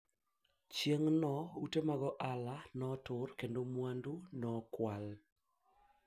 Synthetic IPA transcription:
t͡ʃjeŋnɔutemaɣɔʔalanɔtʊɾkendomwandunɔkwal

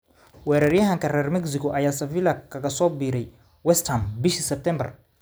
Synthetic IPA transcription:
wɛːɾɐrjɐɦɐŋkʰɐrɛːrmɛɡsɪkʰɔʔɐjaːsɐfiːlɐkʰɐɣɐsɔːbiːɾɛj | wɛst̪ʰɐmbɪʃisɛb̚t̪ʰɛmbɐ̰r

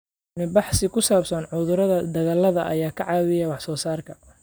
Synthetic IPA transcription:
mɪbɑħsɪkʰʊsaːbsɐnʕʊðʊɾɐðɐd̪ɐɣaːlɐðɐ̰ʔɐjaːkʰɐʕɑːwɪjɛwɑħsɔːsaːrkʰɐ

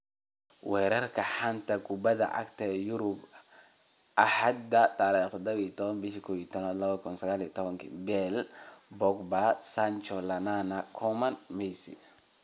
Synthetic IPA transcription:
wɛːɾɐrkʰɐħant̪ʰɐkʰʊbɐðɐ̰ʔɐ̰kt̪ʰɐɛjʊɾʊb | ʔɐħad̪ːɐt̪ʰaːɾɛːt̪ʰɔd̪ɐβit̪ʰɔβɐnbɪʃikʰɔːwit̪ʰɔnaːd̪lɐβɐkʰʊnsɐɣaːliɐt̪ʰɔβɐŋkʰḭbɛlbɔkbasant͡ʃɔlɐnanɐkʰɔmɐnmɛjsḭ

